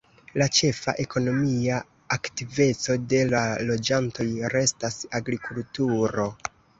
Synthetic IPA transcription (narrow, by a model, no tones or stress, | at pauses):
lat͡ʃe̞fa̰ʔe̞ko̞no̞mia | aktive̞t͡so̞de̞lalo̞d͡ʒanto̞jɾe̞stasaɡɾikultuɾo̞